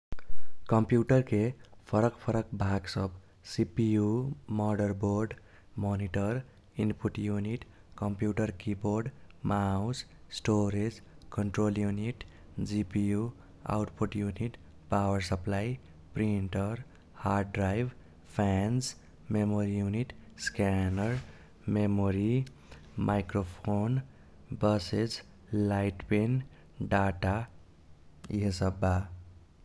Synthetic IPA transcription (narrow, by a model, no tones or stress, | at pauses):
kʌmpjuʈʌrkepʰʌɾʌkpʰʌɾʌkbʱaɡsʌb | sipijumʌɖʌrborɖ | mɔniʈʌr | inpuʈjuniʈ | kʌmpjuʈʌrkiboɾɖmaws | sʈoɾed͡zkʌɳʈroljuniʈ | d͡zipiju | a̰wʈpʰuʈjuniʈ | pawʌɾsʌplaj | pɾiɳʈʌɾ | har̚ɖɾajb | pʰans | memoɾijuniʈskanʌɾ | memoɾi | mʔajkɾopʰon | bʌsed͡z | lajʈpen | ɖaʈa | jʌsʌbːa